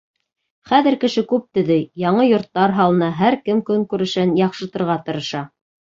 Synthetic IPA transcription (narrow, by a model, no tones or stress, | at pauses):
χæðɘ̆ɾkɘ̆ʃɘkʉp̚t̪ɵ̆ðɘjɑɴɤjŏɾt̪ːɑɾɦɑlˠɤ̆nɑɦæɾkɘmkɵŋkʉɾɘ̆ʃænjɑqʃɤ̆t̪ɤ̆ɾʁɑt̪ɤ̆ɾɤ̆ʃɑ